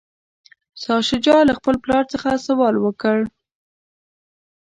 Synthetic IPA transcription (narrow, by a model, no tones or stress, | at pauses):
sɑʃɪd͡ʒɑlaxpəlplɑɾt͡səxasawɑlwəkəɽ